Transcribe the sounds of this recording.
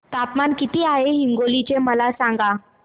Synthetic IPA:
t̪apmankit̪iːaɦeɦiŋɡolit͡ɕeməlasãŋɡa

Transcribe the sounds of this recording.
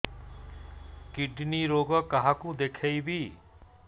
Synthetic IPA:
kiɖniɾoɡɔkaɦãkũd̪ekʰejbʱi

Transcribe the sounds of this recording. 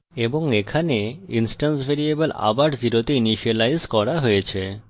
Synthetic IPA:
eboŋekʰaneinsʈansbʱeɾiebela̰baɾd͡ʑiɾot̪iiniʃialajzkɔɾaɦojet͡ɕʰe

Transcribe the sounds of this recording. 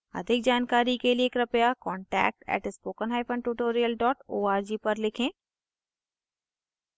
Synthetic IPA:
ɐ̰d̪ʱɪk̚d͡ʒaːnkaːɾikelieːkɾɐpjakɔ̃ːɳʈɛ̰ːk̚ʈɛ̰ːʈɪspoːkənɦaːjpʰə̃ɳɖʈuːʈoːɾijəlɖɔːʈoːaːɾd͡ʒipɐɾlɪkʰẽː

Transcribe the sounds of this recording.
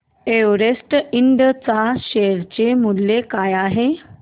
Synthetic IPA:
eʋɾesʈiɳɖt͡saɕeɾt͡ɕemulːekajaɦe

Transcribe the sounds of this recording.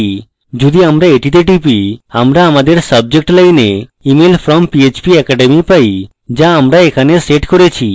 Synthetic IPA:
i | d͡ʒud̪iamɾaeʈit̪̬eʈipiamɾaamad̪eɾsəb̚d͡ʑek̚ʈləjneimelfʰɾɔmpiet͡ʃpiɛkaɖemipaj | d͡ʒaːmɾaekʰaneseʈkoɾet͡ɕʰi

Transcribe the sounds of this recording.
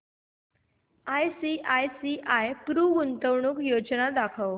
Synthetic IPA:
ajsiʔajsiʔajpɾuːɡunt̪əʋɳukjod͡znad̪akʰəʋ

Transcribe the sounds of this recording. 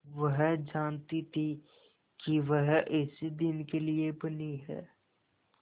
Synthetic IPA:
ʋɐɦd͡ʒaːnt̪it̪ʰi | kiʋɐɦɪsid̪ɪnkeliebɐniɦɛ̰ː

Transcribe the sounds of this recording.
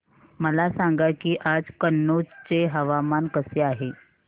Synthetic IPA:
məlasaŋɡakiːʔad͡zkənːod͡zt͡seɦəʋamankəseaɦe

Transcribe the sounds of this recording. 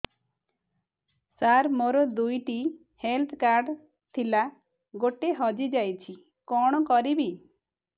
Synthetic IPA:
saɾmoɾɔd̪ujʈi | helt̪ʰkaɾɖ | t̪ʰila | ɡoʈeɦɔd͡ʒid͡ʒajt͡ʃʰi | kɔɽ̃ɔkɔɾibi

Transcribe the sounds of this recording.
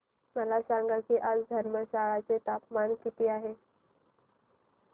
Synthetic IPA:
məlasaŋɡakiːʔad͡zd̪ʱəɾməɕaɭat͡set̪apmankit̪iːaɦe

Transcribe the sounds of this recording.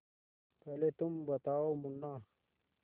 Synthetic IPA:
kɐlet̪umbɐt̪aːwomunːa

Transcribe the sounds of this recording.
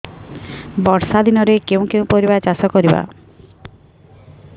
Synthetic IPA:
bɔɾsad̪inɔɾekeũw̃kew̃poɾibat͡ʃasɔkɔɾiba̰

